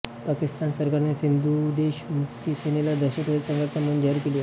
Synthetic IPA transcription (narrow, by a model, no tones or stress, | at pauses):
pakist̪ansəɾkaɾnesind̪ud̪eɕmukt̪isenelad̪əɕəpəd̪etsəŋɡəɾt̪amund͡ʑaɾkelio